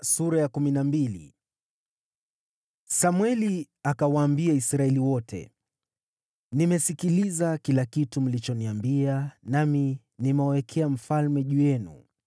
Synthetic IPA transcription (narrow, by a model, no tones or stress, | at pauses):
suɾajakuminambilḭ | samwɛli | akawaːmbiaisɾaɛliwɔtʰɛ̰ | nimɛsikilizakilakitum̩lit͡ʃɔniambianami | nimɛɔwɛkʰɛam̩falmɛʄujɛnṵ